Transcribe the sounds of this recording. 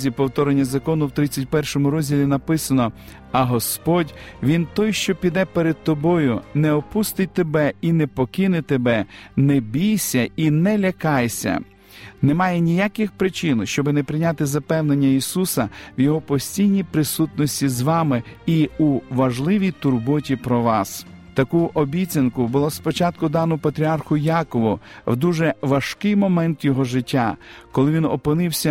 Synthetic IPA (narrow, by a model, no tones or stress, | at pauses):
zʲipɔwt̪ɔɾenʲːɐzɐkɔnʊwt̪ɾɪt͡sʲːɐt̚ʲpɛrʃɔmʊɾɔzʲdʲilʲinɐpɪsɐnɔ | ɐɦɔspɔdʲʋʲint̪ɔjʃt͡ʃɔpʲid̪ɛpeɾed̪̚t̪ɔbɔjʊnɛɔpust̪ɪt̚ʲt̪ebɛinɛpɔkɪnɪt̪ebɛnɛbʲijsʲɐinɛlʲɐkɑjsʲɐ̰ | nɛmɑjɛnʲijakɪxpɾɪt͡ʃɪnʃt͡ʃɔbɪnɛpɾɪnʲat̪ɪzɐpɛwnenʲːɐisusɐʋjɔɦɔpɔsʲtʲijnʲijpɾɪsut̪nɔsʲtʲizʋɑmɪiuʋɐʒlˠɪʋʲijt̪ʊrbɔtʲipɾɔʋɑs | t̪ɐkuʔɔbʲit͡sʲɐnkʊbʊlˠɔspɔt͡ʃɑt̪kʊd̪ɑnɔpɐt̪ɾʲiɑrxʊjɑkɔʋʊ | wd̪uʒɛʋɐʃkɪjmɔmɛnt̪jɔɦɔʒɪtʲːakɔlˠɪʋʲinɔ̰pɪnɪwsʲɐ